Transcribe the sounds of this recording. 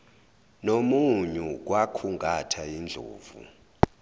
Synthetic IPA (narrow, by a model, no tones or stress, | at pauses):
nomuɲuk̬wakʰuŋɡʱatʰaind͡ɮʱo̰ːvṵ